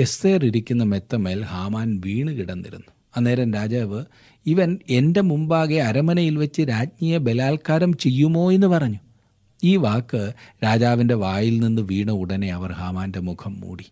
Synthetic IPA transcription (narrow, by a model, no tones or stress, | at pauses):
est̪eːriɾikʲːunːɐmet̪ːɐmeːlhaːmaːnʋiːɳɨkiɽɐnːḭɾṵnːu | ɐnːe̞ːɾɐmɾaːd͡ʑaːʋɨ | iʋɐne̞nde̞mumbaːɣeɐɾɐmɐnɐjilʋɐt͡ɕːɨɾaːd͡ʑniːjɐbe̞laːlkaːɾɐmt͡ɕe̞jːumo̞ːe̞nːɨpɐrɐɲːu | iːʋaːkːɨɾaːd͡ʑaːʋinde̞ʋaːjilninːɨʋiːɳɐuɽɐne̞ɐʋɐrhaːmaːnde̞mukʰɐmːṵːɽi